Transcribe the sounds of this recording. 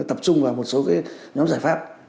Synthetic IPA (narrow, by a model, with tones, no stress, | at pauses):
t̪ə˨˩p̚t͡ɕʊ˧ŋ͡mvaː˨˩mo˨˩t̚so˨˦kaː˨˦jɲɔ˨˦mzaː˧˩jfaː˦˥p̚